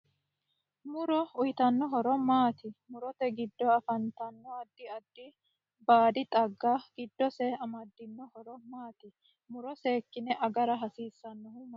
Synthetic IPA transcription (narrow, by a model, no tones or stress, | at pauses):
mʊɾɔʊjt̪ɐnːɔɦɔɾɔmaːt̪ɪmʊɾɔt̪ɛɡɪd̪ːɔɐfɐnt̪ɐnːɔɐd̪ːɪɐd̪ːɪ | baːd̪ɪt̪ʼɐɡːaɡ̥ɪd̪ːɔsɛɐmɐd̪ːɪnːɔhɔɾɔmaːt̪ɪ | mʊɾɔseːkːɪnɛʔɐɡɐɾɐɦɐsiːsːɐnːɔhʊm